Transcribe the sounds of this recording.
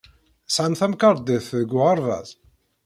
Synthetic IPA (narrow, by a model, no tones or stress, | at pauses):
sʕamθæmkɑɾˤd̪ɪθðəɡʷːʊɑɾˤðˤɑ̰z